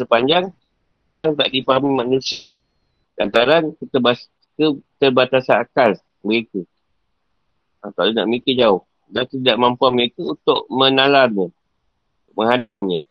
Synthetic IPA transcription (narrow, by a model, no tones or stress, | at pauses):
səpaɲd͡ʒaŋ | aŋt̪a̰ʔdipaɦamimanusia | lant̪aɾankət̪əbas | kət̪ərbat̪asanakal | məɾeku | ak̪alona̰ʔmikəd͡ʒaʊh | dant̪t̪idaʔmampuanməɾekəunt̪ʊʔ̚mənalarɲə | ʔməŋɦadaʔɲə